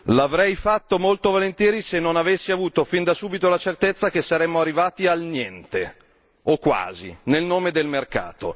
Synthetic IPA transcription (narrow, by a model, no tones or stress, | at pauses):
lavɾɛjfat̪ːomolt̪ovolent̪jɛːɾisenːonavesːiavuːt̪ofind̪asuːbit̪olat͡ʃert̪et̪sːakesːaɾɛmːoarːivaːt̪ialnjɛnt̪e | okwa̰ːzḭnelnoːmed̪elmerka̰ːt̪o̰